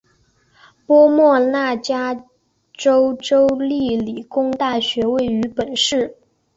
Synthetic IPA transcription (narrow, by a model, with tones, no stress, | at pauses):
pwɔ˥mwɔ˥˧na˥˩t͡ɕja˥ | ʈ͡ʂo˥ʊʈ͡ʂo˥ʊli˥˩li˨˩kʊ˥ŋt̪a˥˩ɕɥɛ˧˥we˥˩ɪy˧˥pə˨˩nʂɻ̩˥˩